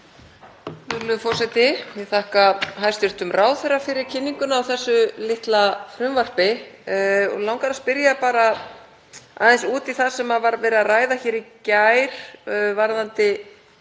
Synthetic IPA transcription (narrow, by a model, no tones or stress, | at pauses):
lʏlʏfɔr̥sɛjt̪ɪjɛɣθahkaɦajst̪ɪr̥t̪ʏmrʔaːwθɛrːafɪɾɪɾ̥cʰɪnːiŋkʏnaːwθɛsːʏlɪht̪lafɾʏmvar̥pɪ | ɔ̰lawŋkaɾaspɪɾjapaːɾa | a̰ðɛnsuːt̪iθḁsɛmavaɾvɛːɾɪaraːjðaçɛːɾicajɾ̥vaɾðant̪ɪ